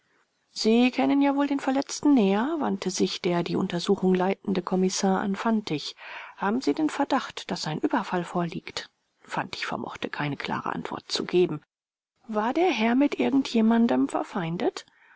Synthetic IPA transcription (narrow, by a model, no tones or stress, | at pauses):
z̥iːkʰɛnənjaːvoːldeːnfɛɐlɛt͡stn̩nɛːɐva̰ntʰəzɪçd̥eːɐdiːʔʊ̰ntɐzuːxʊŋlaɪtn̩dəkʰɔmɪsaːɐʔa̰nfantɪçhaːbm̩ziːdeːnfɛɐdaχtd̥asz̥aɪnʔyːbɐfalfoːɐliːkt | fantɪ̥çfɛ̰ɐmʔɔ̰χtʰəkʰaɪnəkʰl̥a̰ːʁə̰ʔa̰ntv̥ɔ̰ɐt̚t͡sṵɡeːbm̩ | vaːɐdeːɐɦɛɐmɪtʔɪɐɡŋ̩tʰjeːmandəmfɛ̰ɐfaɪ̃ndət